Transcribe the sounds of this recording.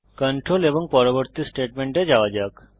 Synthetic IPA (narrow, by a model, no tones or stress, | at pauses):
kəɳʈɾoːlebɔŋɡ̚pɔɾoʋəɾt̪isʈeːʈmeɳʈed͡ʒaʋad͡ʒak